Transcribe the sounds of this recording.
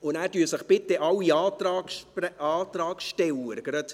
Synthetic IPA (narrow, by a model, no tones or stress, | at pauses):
ʊnæːɾdyːəsəχb̥ɪt̪ːɛʔɑwiɑːt̪ɾɑːɡʃɛɑːt̪ɾɑːɡʃtɛlːəɾɡ̥ɾɑt̪